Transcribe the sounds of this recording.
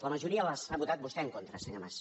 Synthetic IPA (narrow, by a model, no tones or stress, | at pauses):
ləməʒuɾiələsaβut̪at̪̚busk̪ɛŋkont̪ɾəsəɲomas